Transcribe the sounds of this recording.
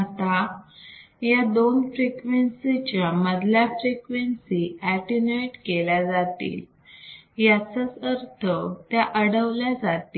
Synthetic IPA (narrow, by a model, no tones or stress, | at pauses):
at̪a | jad̪onfɾikʋensit͡ɕaməd̪ʱljafɾikʋensiæʈineʈkeljad͡zat̪ḭːl | jat͡sət͡səɾt̪ʰət̪jaʔəɽəʋljad͡zat̪i